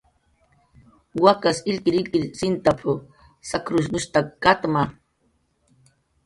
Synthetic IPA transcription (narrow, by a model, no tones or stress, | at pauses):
wakasɪlkiɾilkiɾsint̪apʰo | sakɾʊsʊʃt̪akat̪ma